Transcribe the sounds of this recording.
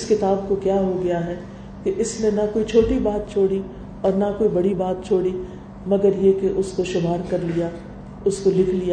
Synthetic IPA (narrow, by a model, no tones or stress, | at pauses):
ɪskɪt̪aːbkokjaːɦoɡɐjaɦɛː | keʔɪsnenɐkoːit͡ʃʰoːʈibaːt̪̚t͡ʃʰoːɽi | ɔːɾnɐkoːibɐɽibaːt̪̚t͡ʃʰoːɽi | mɐɡəɾjekeʔʊskoʃʊmaːɾkɐɾlija | ʊskolɪkʰlija